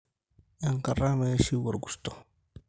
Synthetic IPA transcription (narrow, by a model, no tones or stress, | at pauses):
eŋkarameesiwoɾɡust̪o